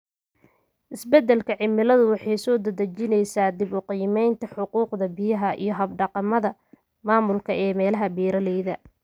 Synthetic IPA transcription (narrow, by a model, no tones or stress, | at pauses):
ʔɪsbɛd̪ːɛlkʰɐʕɪmɪlɐðʊwɑħɑjsɔːd̪ɐd̪ɐt͡ʃɪnɛjsaːd̪ɪbʊqiːmɛjnt̪ʰɐħʊquːqd̪ɐbɪjɐɦɐʔḭjɞɦɐbɖɑqɑmɐðɐ | maːmʊlkʰɐʔɛːmɛːlɐɦɐbiːɾɐlɛjðɐ